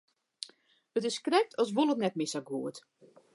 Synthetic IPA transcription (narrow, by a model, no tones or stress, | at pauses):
ətɪskrɛk̚tʰɔsʋolˠətnɛtmɪsaɡuət